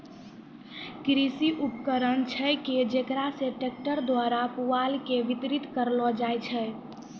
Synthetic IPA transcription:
kɾisiʔupkəɾənt͡ʃʰɛked͡ʒekɾaseʈek̚ʈəɾd̪waɾapualkeʋit̪ɾit̪kəɾlɔd͡ʒajt͡ʃʰɛ

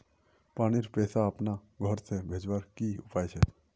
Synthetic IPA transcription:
paːɽ̃iɾpɛːsaəpnaɡʱɔɾsebʱeːd͡ʒwaɾkiʊpaːjt͡ʃʰɛ

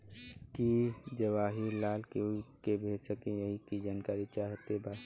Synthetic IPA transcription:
kid͡ʒəʋaːɦilaːlkeikebʱeːd͡ʒsəkẽjəɦikid͡ʒaːnkaːɾit͡ʃaːɦt̪ebʱaː

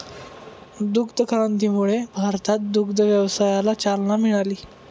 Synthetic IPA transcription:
d̪ukd̪əkəɾənt̪iːmuɭebʱaɾt̪at̪̚d̪ukd̪əʋjəʋsajalat͡salnamiɭaliː

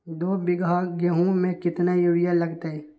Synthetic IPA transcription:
d̪oːbɪɡʱaɡəɦũmẽkɪt̪najuːɽijalɐɡt̪aɦɛː

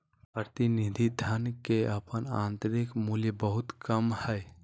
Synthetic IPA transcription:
pɾət̪inid̪ʱid̪ʱənkeʔəpəna̰nt̪ɾikmuljəbəɦut̪kəmhəɪ

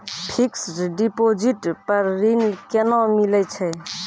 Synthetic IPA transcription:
pʰiksɖipod͡ʒiʈpəɾːinkenɔ̃milɛt͡ʃʰɛ

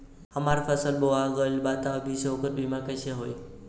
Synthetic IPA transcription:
həmaɾfəsəlboaɡəlbat̪abʱisookəɾbimãkəʃeɦoj

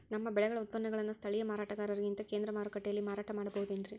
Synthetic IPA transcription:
nɐmːɐbɛɭɐɣɐɭɐʊt̪̚pɐnːɐɣɐɭɐnːɐst̪ʰɐɭɪjɐmaːɾaːʈːɐɣaːɾɐɾɡɪnt̪ɐkeːnd̪ɾɐmaːɾɯkːɐʈːɐjɐlːimaːɾaːʈːɐmaːɽɐpoːɯðuendrɾi

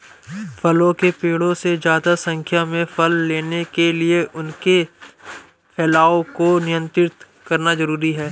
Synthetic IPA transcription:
fʰɐlõkepeːɽõsezjaːd̪asɐ̃ŋkʰjamẽfʰɐlːeːnekelieʔʊnke | pʰɛːlaːokonɪjə̃nt̪ɾɪt̪ | kɐɾnazɐɾuːɾiɦɛː

